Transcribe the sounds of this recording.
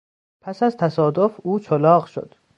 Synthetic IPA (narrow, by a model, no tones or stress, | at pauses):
pʰæsæzt̪ʰæsɒːd̪ofuːt͡ʃʰolɒːɣʃo̰d̪̥